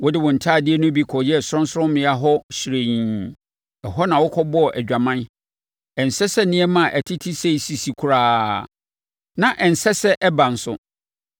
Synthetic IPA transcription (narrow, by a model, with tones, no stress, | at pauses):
wɔ˦dɪ˦wɔ̃˨n̩˨tʰaː˦˨dɪ˦ɛ˦nʊ̃˦bi˦kʰɔ˨jɛ˦˨sʊ˦ɾʊ̃˦n˦sʊ˦ɾʊ̃˦mmɪ̃˨a˦ɦɔ˦ɕɾe˨ɲĩ˨ | ɛ˨ɦɔ˦nã˨wɔ˦kʰɔ˦bɔ˦˨ʔæ˨d͡ʑᶣa˨mã˦n | ɛ˨n̩˨sɛ˦sɛ˦nɪ̃˦ɛ˦mã˨ʔæ˨tʰi˦tʰi˦se˦i˨si˨si˨kʰu˨ɾaː˦ | nã˨ʔɛ˨n̩˨sɛ˦sɛ˦ʔɛ˦bã˨n̩˨sʊ˦